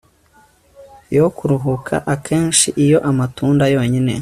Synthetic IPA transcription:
jokuɾuɦukʰa̰ʔakʰe̞ːnʃiʔijo̞ʔamatuːndajo̞ːɲine̞

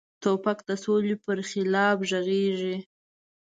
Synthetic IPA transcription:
t̪opakd̪əsolepəɾxɪlɑbʒəɣeʒi

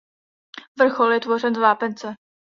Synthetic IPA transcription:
vr̩xoljɛt̪vo̞r̝ɛnzvaːpɛnt͡sɛ

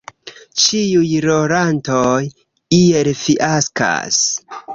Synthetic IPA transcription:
t͡ʃiujɾoɾantoj | ielfiʔaska̰s

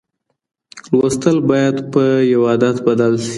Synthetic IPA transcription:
lwast̪əlbɑjad̪pəjawɑd̪at̪bad̪alʃi̥

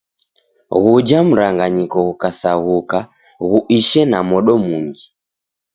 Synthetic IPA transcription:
ɣud͡ʒam̩ɾaŋɡaɲikɔɣukasaɣuka | ɣuʔiʃɛnamɔɗɔmuŋɡi

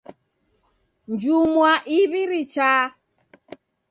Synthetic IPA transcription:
nd͡ʒumwaʔiβiɾit͡ʃa

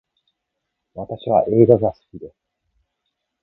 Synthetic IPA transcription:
βat̪aɕiβa̰ʔe̞ːɡaɡasɨ̥kʲid̪e̞sɨ̥

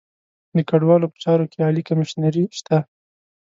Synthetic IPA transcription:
d̪əkaɖwɑlopə̥t͡ʃɑɾokeɑlikamɪʃnaɾiʃt̪a

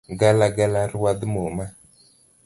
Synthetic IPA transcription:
ɡalaɡalaɾwadəmoma

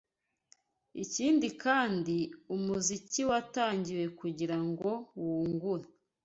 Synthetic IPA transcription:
iciːndikaːndiumuziciwataːɲɟiwe̞kuɟiɾaŋɡo̞wuːŋɡuɾa

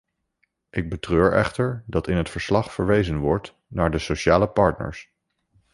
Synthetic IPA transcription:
ʔɪɡ̚bətrøːɹɛ̰χtəɹdɑtɪnɦətfəɹslɑχfəɹʋejzənʋɔɹt | naːɹdəsowʃaːləpɑɹtnə̰ɹs

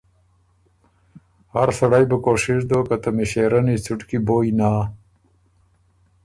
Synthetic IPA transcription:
haɾsaɽajbəkoʂɪʂd̪okat̪amiʃeɾanit͡sʰuʈkiboːjnaː

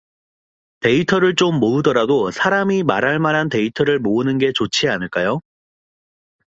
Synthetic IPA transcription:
te̞itʰʌɾɯɭt͡ɕ͈omːoɯdʌɾadosʰaɾamimaɾaɭmaɾɦante̞itʰʌɾɯɭmoɯnɯnɡe̞t͡ɕot͡ɕʰianɯɭk͈ajo

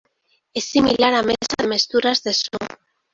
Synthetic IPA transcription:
esːimilaɾamesaðemest̪uɾazðe̞su

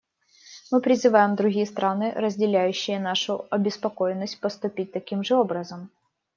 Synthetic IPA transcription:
mɨpɾʲɪzɨvajɪmd̪ɾʊɡʲijəst̪ɾʔanɨɾəzʲdʲɪlʲæjʉɕːɪjənaʂʊɐbʲɪspɐko̞jɪnːəsʲt̚ʲpəst̪ʊpʲit̚ʲt̪ɐkʲimʐɨo̞bɾəzəm

